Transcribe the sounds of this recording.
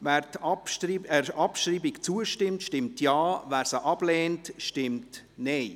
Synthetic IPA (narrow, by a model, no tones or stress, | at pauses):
vɛːɾtɑpiɛɑpʃriːbikt͡suəʃtɪmtʃtɪmtjɑːvɛːɾsəʔɑb̥lɛːntʃtɪmt | nɛɪ